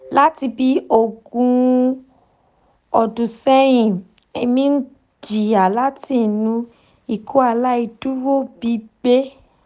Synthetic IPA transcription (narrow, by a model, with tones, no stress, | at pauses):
la˦ti˧bi˧o˨ɡũ˧ | ɔ˧˨dũ˨sɛ˦j̃ĩ˨ | e˧mĩ˦n̩˦ | d͡ʒi˨a˨la˦ti˦˨nũ˧ | i˨kʰo˦a˧la˦i˧tu˦ɾo˦˨bi˨˦be˦